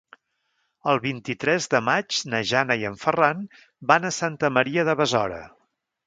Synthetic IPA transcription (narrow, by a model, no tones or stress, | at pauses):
əlˠβint̪it̪ɾɛzðəmad͡ʒnəʒanəiəɱfəran | banəsant̪əməɾiəðəβəzɔɾə̰